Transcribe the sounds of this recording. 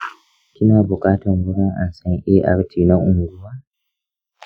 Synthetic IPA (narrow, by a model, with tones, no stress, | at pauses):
kʲɪ˦naː˨bʊ˨kʼaː˦tɔ˨ŋɡʊ˦ɽa˦ŋʔa̰˨nsɐ˦ŋʔɛ˦ʔa̰˦ɾtʰiː˨na˦ʔʊ˨ŋɡʷu˦waː˦